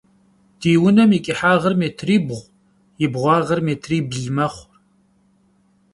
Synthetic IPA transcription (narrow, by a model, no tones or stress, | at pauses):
d̥iːwʊnɐmjikʼɪħaːʁərmeːtʰriːbʁʷ | jɪbʁʷɑːʁɐrmeːtʰriːbɮmɐχʷr